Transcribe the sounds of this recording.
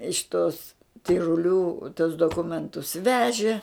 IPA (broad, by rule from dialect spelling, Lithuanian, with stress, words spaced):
ɪʃ ˈtoːs tʲɪrʊˈlʲuː tuɔs doːˈkʊmʲɛntʊs ˈʋʲæːʒʲɪ